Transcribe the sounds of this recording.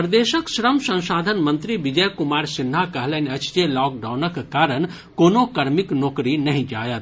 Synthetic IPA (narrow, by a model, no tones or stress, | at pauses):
pɾd̪eːʃəkʃɾəmsɐ̃ñʃaːd̪ʱənmɐ̃nt̪ɾiʋɪd͡ʒəjkʊmaːɾsɪn̤ːakɐɦlɐnɐt͡ʃd͡ʒelɔːk̚ɖaːwnəkkaːɾəɳ | koːnokɐɾmɪknoːkɾinɐɦĩd͡ʒaːjət̪